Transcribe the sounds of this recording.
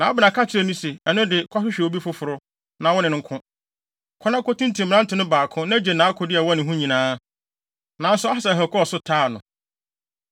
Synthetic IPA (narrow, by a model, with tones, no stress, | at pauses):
nã˨˦bɪ˨nã˨kʰa˦t͡ɕʰɪ˨ɾɛ˦˨nʊ̃˦se˨ɛ˨nʊ̃˦dɪ˨kʰɔ˦ɕᶣɪ˦ɕᶣɛ˨wo˨˦bi˦fʊ˦fʊ˨ɾʊ˦ | nã˨wɔ˦nɪ̃˨nʊ̃˨ŋ̩˦kʰʊ̃˦ | kʰɔ˦nã˦ko˦tʰĩ˦n˦tʰĩ˨m̩˨˦ã˦n˦tʰɪ˨nʊ̃˦baː˨kʰʊ̃˦nã˦d͡ʑe˨nãː˨˦a˦kʰʊ˦dɪ˦a˨wɔ˦nɪ̃˨ɦũ˦ɲĩ˨nãː˦ | nã˨n˦sʊ˦a˦ha˨sa˨ɦɛ˨kʰɔ˦ɔ˨sʊ˦tʰaː˦˨nʊ̰̃˨